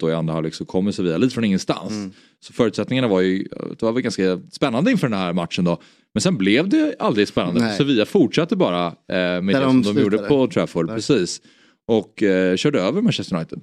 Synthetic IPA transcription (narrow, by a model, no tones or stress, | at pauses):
d̪̥ɔɪa̰nd̪ɾahalɪksɔmkʰɔmːɪt̪sɔviːaliːt̪əfɾɔnɪŋːənst̪a̰ns | sɔ̥fœːɾʉ̟t̪sɛt̪nɪŋanavaɾjɵ̰d̪̥ɛvavɛlɡanskaspɛnːand̪əɪnfœːɖɛnhɦæɾmat̪ʂənd̪ɔ | mɛnsɛnblɛvd̪ɛald̪ɾɪɡspɛnːand̪əɔviːafʊʈʂat̪ːəbɑːɾamɛd̪ɛɔmd̪ɔmjuːɖəpɔt̪ʰɾɛfɔɾpʰɾɛsiːs | ɔkːɕœːɖəøːvəɾmanɕɛst̪əjnajt̪əd̪